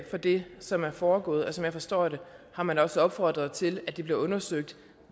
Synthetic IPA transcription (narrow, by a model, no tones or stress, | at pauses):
fɒ̽d̥e̝sɒ̽mæɐfɒːɡ̥ɔ̰̽ːð̩ˠɒ̽sɒ̽mjɑ̈ɪfɒ̽sd̥ɔ̰ːɾ̥e̝hɑ̈mænɒ̽sɒɒ̽b̥fɒd̥ʁɐð̩ˠt͡sʰe̝læd̥ib̥liɐɔ̽nɐsøɡ̥̚d̥